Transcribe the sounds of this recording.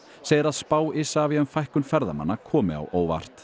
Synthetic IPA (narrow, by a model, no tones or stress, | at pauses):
seːjðɪɾaðspaːwɪsaːviʏmfajhkʏnfɛɾða̰ma̰nːakʰɔːmɪ̰a̰wʔoːwva̰r̥t̪